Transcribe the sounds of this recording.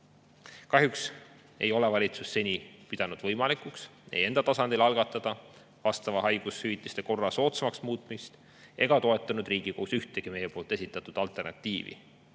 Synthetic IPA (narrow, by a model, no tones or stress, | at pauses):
kɑɦjuks | e̞̰jo̞le̞vɑlʲit̪susːe̞nʲipid̪̥ɑnud̪̥vɤ̞jmɑlikˑukse̞̰je̞nd̪̥ɑt̪ɑsɑnd̪̥ilɑlɡ̥ɑt̪ːˑɑd̪̥ɑ | vɑst̪ɑvɑɦɑjɡ̥ushyvit̪ːˑist̪e̞ko̞rːɑso̞ːt̪semɑksmuːt̪ˑmist̪ | ʔe̞̰ɡ̥ɑt̪o̞e̞t̪ːˑɑnud̪riːɡ̥ikousyht̪e̞ɡ̥ime̞jepoːlt̪e̞sit̪ːˑɑt̪ːˑud̪̥ɑlt̪ˑe̞rnɑ̰t̪ˑːiːvḭ